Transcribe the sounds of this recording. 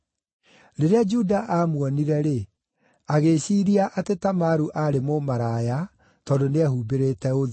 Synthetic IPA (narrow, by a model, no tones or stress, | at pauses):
ɾeɾead͡ʒudaʔaːmwɔniɾɛɾe | aɣeɕiːɾiaʔatetamaɾuʔaɾemomaɾaja | tɔːdoneɛɦuːbeɾetɛoðe